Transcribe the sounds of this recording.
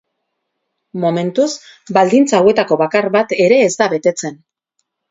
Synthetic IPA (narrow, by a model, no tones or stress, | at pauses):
mo̞me̞nt̪us | bald̪int͡saːwe̞t̪ako̞βakaɾβat̪e̞ɾe̞ːzd̪aβe̞t̪e̞t͡se̞n